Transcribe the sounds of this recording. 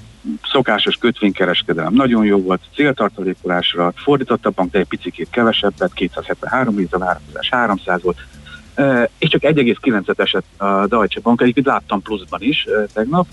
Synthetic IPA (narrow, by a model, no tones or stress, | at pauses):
so̞kaːʃo̞ʃkøt̪ʋeːɲkɛɾɛʃkɛd̪ɛlɛ̰mnɒɟo̞njoːvo̞lt̪t̪seːlt̪ɒrt̪oleːkolaːʃrɒfo̞rd̪iːt̪ot̪ːɒbːɒŋɡ̚d̪ɛɛc̚pit̪sikeːt̪kɛvɛʃɛbːɛtkeːt̪saːshɛt̪ʋɛ̰nɦaːɾo̞mheːzɛvaːɾɒkoza̰ːʃhaːɾo̞msaːzʋo̞lt̪ː | eːʃt͡ʃɒkɛɟːɛɡeːskilɛnt̪sɛt̪ɛʃɛt̪ɒd̪ɒjt͡ʃɛbɒŋkɛɟeːpkent̪laːt̪ːɒmpluzbɒniʃt̪ɛɡnɒp